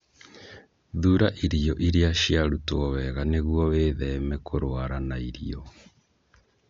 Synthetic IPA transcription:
ðuɾaʔiɾiɔʔiɾeaʃiaɾutoɔwɛɣaneɣwɔweːðɛmɛkʰoɾwaɾanaiɾiɔ

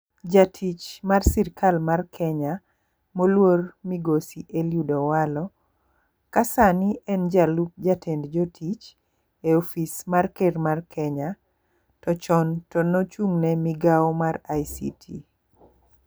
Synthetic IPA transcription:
d͡ʒatʰit͡ʃmarsiɾkalmarkʰɛɲa | molwormiɡosiʔeljudɔwalɔ | kasanɪɛnd͡ʒalup̚d͡ʒatʰendd͡ʒɔtʰit͡ʃ | eofismarkermarkʰɛɲa | tɔt͡ʃɔntɔnɔt͡ʃuŋnɛmiɡawmarajsḭtʰḭ

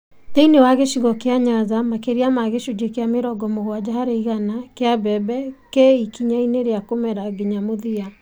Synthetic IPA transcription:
teinewaɣeʃiɣɔkeaɲazamakeɾiamaɣeʃud͡ʒekeameɾɔɡɔmoɣwad͡ʒahaɾeiɣanakeabɛbɛkeikiɲaineɾeakomɛɾaɡiɲamoðia

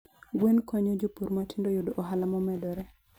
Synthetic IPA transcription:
ɡwenkɔɲod͡ʒopuɾmatindojʊdoʔoɦalamɔmɛdɔɾɛ

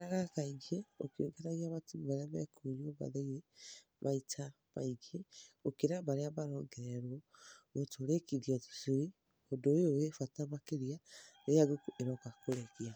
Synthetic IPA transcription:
aɣakaiɡeo̰keoɡɛɾaɣiaβatiβaɾeaβɛ̰koɾoβa̰ðaiɾe | βaitʰa | βa̰iɡeokeɾaβaɾeaβaɾɔːŋɡɛɾɛɾwɔβotoɾekiðiatu̥suɾi | odoeowefatamakeɾiaeaɡokeɾɔkakoɾɛɣia

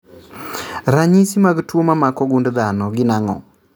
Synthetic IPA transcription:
ɾaɲisimaɡtwomamakɔɡundd̪anɔɡɪnaŋɔ̰

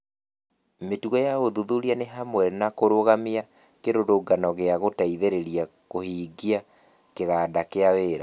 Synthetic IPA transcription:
metuɔjaoðuðuɾianeɦamwɛnakoɾoɣamia | keɾoɾoɡanɔɣeaɣotaiðeɾeɾia | kohiːɡia | keɣaːdakeaweːɾa

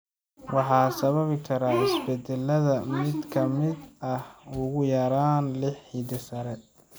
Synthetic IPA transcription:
wɑħɑːsɐβɐβkʰɐɾaːɪsbɛd̪ɛlːɐðɐmɪd̪kʰɐmɪd̪ɐhʊɣʊjɐɾaːnlɪħːid̪ɪsɐɾɛ

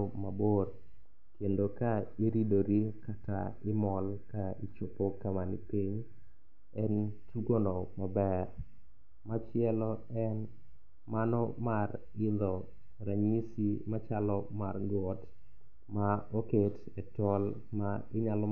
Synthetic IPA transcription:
maboɾ | kendokaiɾidoɾikata̰ɪmɔlkait͡ʃopokamanipiɲ | ɛntʰuɡonɔmabɛr | mat͡ʃɪɛlɔɛn | manɔmar | ɪðɔ | ɾaɲisimat͡ʃalɔma̰rɡɔt | maoket | ɛtɔl | maɪɲalɔ

